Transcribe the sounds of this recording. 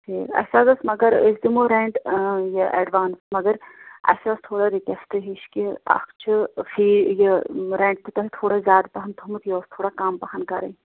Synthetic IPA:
sʰeːkɐ̰sazɐsmɐɡɐɾəsd̪imoɾẽɳʈjɐʔeɖʋaːnsmɐɡɐɾɐ̰sast̪ʰoːɽaɾikesʈɨɦiʃkiɐ̰kʰt͡ʃʰɨfʰiːjɐɾẽːɳʈ̚t̪ɨt̪ɐt̪ʰoːɽazʲjaːd̪pɐɦɐnt̪ʰumɨt̪joːst̪ʰoːɽakaːmpɐɦɐnkɐɾɐ̰

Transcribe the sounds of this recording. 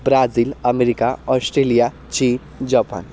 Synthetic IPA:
bɾad͡ziːləmeɾikaɔsʈɾelija | t͡ɕiːn | d͡ʑapa̰n

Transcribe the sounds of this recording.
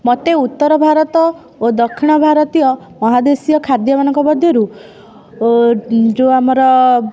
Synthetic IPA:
mɔt̪eut̪ːɔɾɔbʱaɾɔt̪ɔ | od̪ɔkʰːiɽ̃ɔbʱaɾɔt̪ijɔ | mɔɦad̪esijɔkʰaɾd̪jɔbanɔŋkɔbɔd̪ʱːjɔɾu | d͡ʒoamɔɾɔ

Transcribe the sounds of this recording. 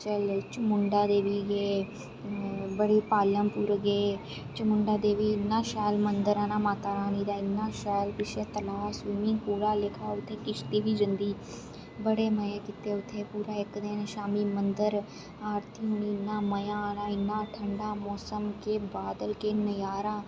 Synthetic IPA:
t͡ʃəlt͡ʃəmʊɳɖaːd̪eːʋiːɡeː | bəɽeːpaːləmpuːɾɡeː | t͡ʃəmʊɳɖaːd̪eːʋiːɪnːãːʃɛːlmənd̪əɾaːnãːmaːt̪aːɾaːniːd̪aːɪnːãːʃɛːlpɪʃeːt̪əlaːswiːmĩːpuːɽaːlekʰaːʊt̪ʰːeːkɪst̪iːʋiːd͡ʒənd̪iː | bəɽeːməjãːkɪt̪eːʊt̪ʰːeːpuːɾaːɪkd̪eːnʃaːmiːmənd̪əɾ | aːɾt̪ʰiːɦuːɳiːɪnːãːməjãːnãːɪnːãːʈʰəɳɖaːmɔːsəmkeːbaːd̪əlkeːnəjaːɾaː

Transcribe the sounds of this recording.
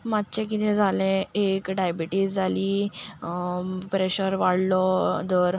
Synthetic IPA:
mad̪t͡ɕẽkit̪ʰɛ̃d͡zʱalɛ̃ekɖajbiʈiːd͡zd͡zʱali | pɾeɕəɾʋaɽlɔd̪əɾ

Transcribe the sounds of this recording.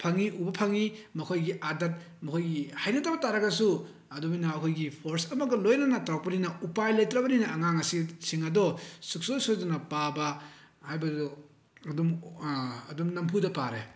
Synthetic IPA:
pʰɐŋiʔubɐpʰɐŋimɐkʰojɡiʔadɐt̚ | mɐkʰojɡihajnɐtɐbɐtaɾɐɡɐsu | ɐdubinɐːkʰojɡipʰoɾsɐmɐɡɐlojnɐnɐtawk̚pɐninɐupajlɐjtɾɐbɐninɐːŋaŋɐsisiŋɐdɔsuk̚sojsodɐnɐpabɐ | hajbɐdɔ | ɐdum | ɐdumnɐmpʰudɐpaɾe

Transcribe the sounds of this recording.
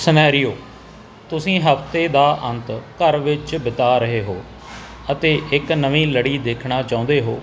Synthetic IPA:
sənɛːɾɪjoː | t̪ʊsĩːɦəpt̪eːd̪aːʔə̃nt̪kəɾʋɪt͡ʃbɪt̪aːɾəɦeːɦoː | ət̪eːʔɪknəʋĩːləɽiːd̪eːkʰɳaːt͡ʃãːʊ̃nd̪eːɦo̰ː

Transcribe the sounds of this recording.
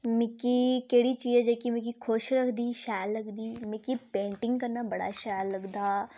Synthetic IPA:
mẽkikeːɽit͡ʃiːd͡ʒɛd͡ʒɛkimẽk̬ikʰoʃɾɐkʰd̪iːʃaːlːɐkd̪iːmẽkipẽːɳʈɪ̃ŋɡkɐɾnabɐɽa̰ʃaːlːɐɡd̪aː

